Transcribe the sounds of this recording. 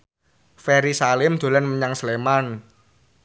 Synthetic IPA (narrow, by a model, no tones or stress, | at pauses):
feɾisalɪmd̪̥o̤lanməɲaŋsleman